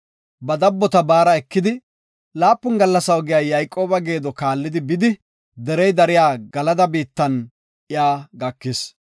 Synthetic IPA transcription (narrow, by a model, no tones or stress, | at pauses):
bɐd̪ɐbːɔt̪ɐbaːɾɐɛkːɪd̪ɪ | laːpːʊnɡɐlːɐsɐwɔɡɪjaːjɐjkʼːo̞ːbɐɡe̞ːd̪ɔkaːlːɪd̪ɪbɪd̪ɪ | d̪ɛɾɛjd̪ɐɾɪjaːɡɐlɐd̪ɐbiːt̪ːɐn | ʔɪjaːɡɐkːɪs